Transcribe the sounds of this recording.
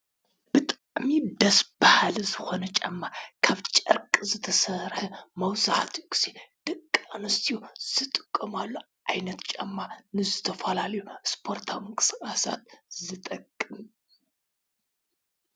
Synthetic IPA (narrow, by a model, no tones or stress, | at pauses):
b̥ɨt̪ʼaʕmid̪ɐsbahalzɨho̞nət͡ʃʼa̰mːakʰaβt͡ʃʼɐ̰ɾkʼzɨt̪ʰəsəɾhɨmɐwsɨʕa̰t̪ʰkɨ̥sed̪̥ɨkʼːanɨst̪ʰijz̥ɨt̪ʼɨkʼːɨmalːo | ʔajnət̪t͡ʃʼa̰mːanɨzɨt̪ʰɐfalaljospʰo̞ɾt̪ʰawmɨŋkʼɨ̥skʼasa̰t̪zɨt̪ʼɐkʼːɨm